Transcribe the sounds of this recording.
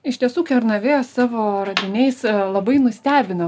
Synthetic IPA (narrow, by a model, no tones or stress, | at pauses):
ɪʃt̪ʲiɛsuːkʲɛɾnɐʋʲeːsɑːʋoːɾɐd̪ʲɪnʲɛɪslˠɐbɐɪnʊsʲt̪ʲæːbʲɪnɐ